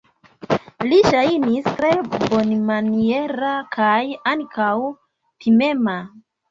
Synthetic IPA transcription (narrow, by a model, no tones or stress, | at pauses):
liʃajnistɾe̞bo̞nmanie̞ɾakʰajaŋkʰaw | pʰime̞ma